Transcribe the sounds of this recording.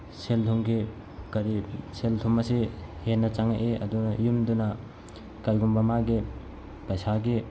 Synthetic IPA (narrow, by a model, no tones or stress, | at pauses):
seltʰuŋɡi | kɐɾiseltʰumɐsihenːɐt͡ʃaŋaʔeɐdunɐjumdunɐ | kajɡumbɐmaɡi | pɐjsaɡi